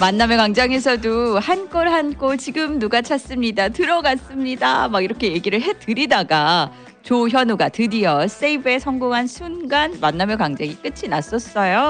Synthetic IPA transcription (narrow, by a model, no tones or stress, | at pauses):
manːamjʌkaŋd͡ʑaŋesʰʌdohank͈ʌɾɭɦankʰot͡ɕiɡɯmnuɡat͡ɕʰas͈ɯmɲidatɯɾʌɡas͈ɯmɲida̰maɡiɾʌkʰe̞je̞ɡiɾɯɭɦe̞tɯɾidaɡa | t͡ɕoçjʌnuɡatɯdiʌs͈eibe̞sʰʌŋɡoŋɦansʰunɡanmanːamjʌkaŋd͡ʑaŋik͈ɯt͡ɕʰinas͈ʌs͈ʌjo